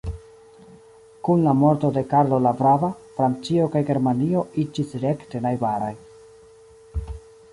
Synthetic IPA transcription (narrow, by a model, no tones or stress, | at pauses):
kunlamoɾto̞de̞kaɾlo̞lavɾavafɾant͡sio̞kajɡe̞ɾmanio̞id͡ʒisɾe̞ktenajbaɾaj